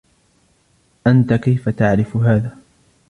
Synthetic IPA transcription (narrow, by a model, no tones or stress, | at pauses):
ʔant̪akajfat̪aʕɾɪfɦaːðaː